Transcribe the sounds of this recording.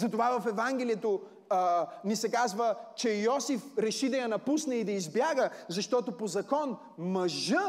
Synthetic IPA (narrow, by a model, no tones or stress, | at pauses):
zɐt̪ovavɐfɛvaŋɡ̟ʲɛliɛt̪o | nisɛkazvət͡ʃɛjɔsifɾɛʃid̪ɐjɐnɐpusnɛid̪ɐizbjaɡəzɐʃt̪ɔt̪opozɐkɔn | mɐʒə